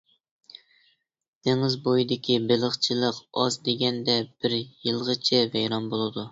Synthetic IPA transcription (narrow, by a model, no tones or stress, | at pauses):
d̪̥eŋɪzbojid̪ɪkʲʰibɪlˠəχt͡ʃʰɨlˠəqɑzd̪eɡʲɛnd̪ɛb̥ɪɾjɨlˠʁət͡ʃʰɛvɛjɾɑnbolˠɨd̪u